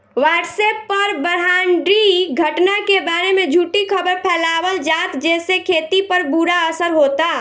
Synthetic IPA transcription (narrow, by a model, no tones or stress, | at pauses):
ʋaʈsɛpːəɾbəɾɦaɳɖɾiɡʱəʈnakebaɾemed͡ʒʱuːʈikʰəbəɾpʰɛlabəld͡ʒat̪d͡ʒɛsekʰet̪ipəɾbuɾaəsəɾɦot̪a